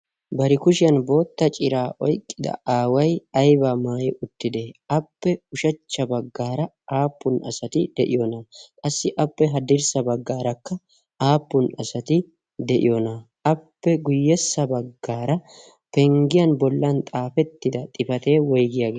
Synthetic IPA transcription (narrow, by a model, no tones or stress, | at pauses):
bɐɾɪkʊʃɪjɐnbo̞ːt̪ːɐt͡ʃʼɪɾaːʔɔjkʼːɪd̪ɐ̰aːwɐjɐjbamaːjɛʔʊt̪ːɪd̪eʔɐpːɛʊʃɐt͡ʃːɐbɐɡːaːɾɐ | aːpːʊnɐ̰sɐt̪ɪd̪̥ɛʔɪ̰jɔnɐkʼɐsːɪʔɐpːɛɦɐd̪ɪɾsɐbɐɡːaːɾɐkːɐ | aːpːʊnɐsɐt̪ɪ | d̪ɛʔɪ̰jɔnɐ | ʔɐpːɛɡʊjːɛsːɐbɐɡːaːɾɐ | pɛŋɡɪjɐnbɔlːɐnt̪ʼaːfɛt̪ːɪd̪ɐt̪ʼɪfɐt̪e̞ːwɔjɡɪjaɡeː